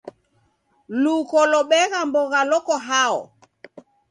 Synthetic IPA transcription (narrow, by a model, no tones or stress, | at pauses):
lukɔlɔɓɛɣambɔɣalɔkɔɦaɔ̰